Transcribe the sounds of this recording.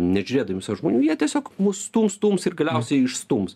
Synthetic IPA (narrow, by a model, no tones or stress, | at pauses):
nʲɛʒʲʊɾʲeːd̪ɐʋʲimsɐʋʒmoːnʲuːjiɛt̪ʲiɛsʲoːkmuːsst̪uːmst̪uːmsɪrɡɐlʲɛʊsʲɛɪɪʃst̪uːms